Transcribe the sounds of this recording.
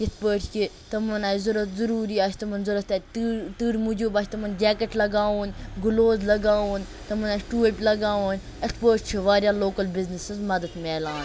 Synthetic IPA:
jisʰpəːʈt͡ʃʰi | t̪ɐmɐnaːjzuɾɐt̪zuɾuːɾiːaːt͡ʃʰʲt̪ɐmɐnzuɾɐt̪at̪ːt̪ɨːɾmud͡ʒubaːt͡ʃʰʲt̪ɐmɐnd͡ʒɛːkɐʈlɐɡaːuːnʲɡʊloːzlɐɡaːuːnʲ | t̪ɐmɐnaːʈuːəpʲlɐɡaːʋuːnʲ | ispəːʈt͡ʃʰiʋaːɾʲjaːloːkɐlbɪznɪsɨzmɐd̪ɐt̪meːlãːn

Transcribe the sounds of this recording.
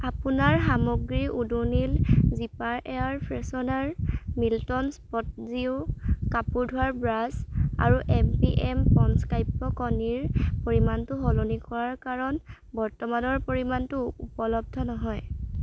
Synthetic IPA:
apunaɹxamɔɡɹiʔudunilzipaɹʔeaɹpʰɹɛsɔnaɹmiltɔnspɔt̚ziuʊkapuɹdʱʊaɹbɹaza̰ɹuʔɛmpiʔɛmpɔnskajpːɔkɔniɹpoɹimantʊɦɔlonikɔɹaɹkaɹɔn | bɔɹtɔmanɔɹpoɹimantʊupɔlɔb̚dʱɔnɔɦɔj

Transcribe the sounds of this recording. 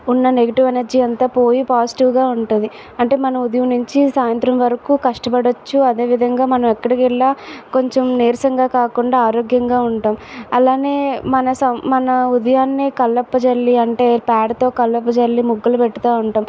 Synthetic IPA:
unːɐne̞ɡɐʈiʋenɐɾd͡ʒiːɐnt̪aːpo̞ːjipaːsi̥ʈiʋɡaːuɳʈund̪i | ɐɳʈe̞ːmɐnɐud̪ɐjumnuɲt͡ʃisaːjɐnt̪ɾɐmʋɐɾɐkuːkɐʂʈɐpɐɽot͡ʃːuɐd̪e̞ːʋid̪ʱɐŋɡaːmɐnɐmɛkːɐɽɐkɛɭːaːko̞ɲt͡ʃomneːɾsɐŋɡaːkaːkuɳɖaːaːɾoːɡjɐŋɡaːuɳʈaːmɐlaːne̞ːmɐnɐsɐmmɐnɐud̪ɐjaːnːikɐlːɐpːɐt͡ʃɐlːiɐɳʈe̞ːpaːɽɐt̪o̞ːkɐlːɐpːɐt͡ʃɐɭːimuɡːɐlɐpɛʈːɐt̪aːuɳʈaːm

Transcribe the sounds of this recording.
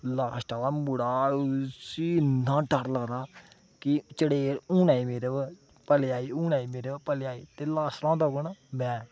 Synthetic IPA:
laːsʈalaːmʊɽaːsiãːʈəɾləɡɾaː | kit͡ʃəɽeːɾũːnaːimeːɾe | pəleaːiuːnaːiːmeːɾepəleaːiːt̪eːlaːsɾãːd̪aːɡənmɛ̃ː

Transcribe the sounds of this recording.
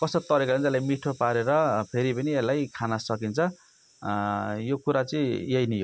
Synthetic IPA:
kʌsʌt̪ʌɾikaʌnelajmiʈʰopaɾeɾʌpʰeɾipʌnielːajkʰanʌsʌkint͡sʰʌ | jokuɾat͡sʌĩjejnijo

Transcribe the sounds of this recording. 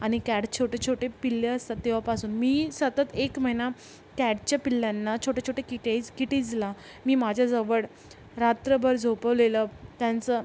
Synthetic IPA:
aɽ̃ikæɽt͡ɕʰoʈʰet͡ɕʰoʈepilːeəst̪at̪ːeʋ̤apasuːnmiːsət̪ət̪ekməina | kæɽt͡ɕapilːjanːat͡ɕʰoʈet͡ɕʰoʈekiʈed͡zkiʈid͡zla | miːmad͡ʑʱjad͡zəʋəɽ | ɾat̪ɾəbʱəɾd͡zʱopəʋlelət̪jant͡sə

